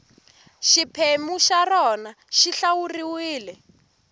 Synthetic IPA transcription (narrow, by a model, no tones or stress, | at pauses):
ʃipʰemuʃarɔna | ʃiɬawuriwiːlɛ